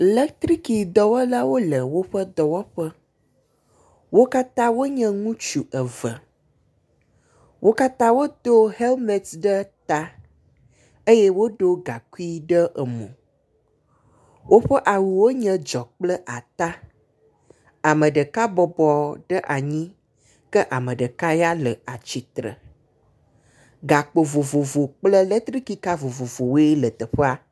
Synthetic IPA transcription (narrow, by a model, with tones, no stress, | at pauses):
le˦kt̪ɾi˦ki˨d̪ɔ˨wɔ˦la˦wo˦lə˨wo˦ɸə˦d̪ɔ˨wɔ˦ɸə˦ | wo˦ka˦t̪ã˦wo˦ɲɛ̃˦ŋũ˦t͡ʃu˨ʔə˨və˨ | wʔo˦ka˦t̪ã˦wo˦d̪o˦he˦lmẽ˨t̪ɖə˦t̪a˦ | e˦jɛ˦wo˦ɖo˦ɡa˨ku˦i˦ɖə˦ʔə˨mɔ̰̃˨ | wʔo˦ɸə˦ʔa˨wu˨wo˦ɲə̃˦d͡ʒɔ˨k͡plə˦ʔa˨t̪a˦ | a˨mə̃˨ɖə˨ka˦bɔ˨bɔ˨ɖə˦ʔa˨ɲĩ˦ | kə˦ʔa˨mə̃˨ɖə˨ka˦ja˦lə˨a˨t͡ɕi˨t̪ɾə̰˨ | ɡa˨k͡po˨vo˨vo˨vo˨k͡plə˦lə˦t̪ɾi˦ki˦ka˦vo˨vo˨vo˨wo˦e˦lə˨t̪ə˨ɸə˦a˦